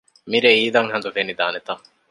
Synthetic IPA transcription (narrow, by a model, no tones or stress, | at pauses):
miɾeiːd̪ɐŋhɐnd̪ufenid̪aːnet̪ɐ